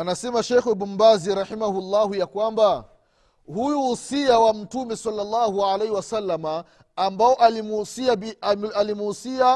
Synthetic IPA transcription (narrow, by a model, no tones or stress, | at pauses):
anasɛmaʃɛxwɛɓumbaziɾaħimahulːaɦujakwamba | hujuhusiawam̩tumɛsalːalːahualehiwasalːamaː | mbaɔʔalimsiaialimuhusia